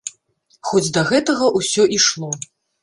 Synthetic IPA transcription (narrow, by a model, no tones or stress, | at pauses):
xɔd͡zʲd̪ɐɣɛt̪ɐɣɐʔusʲɔʔiʂlˠɔ